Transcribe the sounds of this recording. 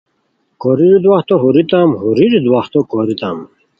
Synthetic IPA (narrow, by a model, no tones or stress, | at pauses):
koɾiɾid̪waht̪oɦuɾit̪amɦuɾiɾid̪waht̪okoɾit̪a̰m